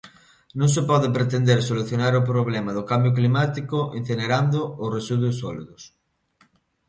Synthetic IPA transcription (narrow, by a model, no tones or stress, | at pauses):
nõŋsepɔðepɾet̪end̪eɾsoluθjonaɾop̬ɾoβ̞lɛmaðokambjok̬limat̪ikoʔen̟θeneɾand̪oːresuðosɔliðʊs